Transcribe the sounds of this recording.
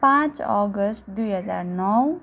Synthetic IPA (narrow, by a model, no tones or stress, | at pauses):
pãt͡ʃɔ̰ɡəsʈ̚d̪ujɦəd͡za̰ɾnɔw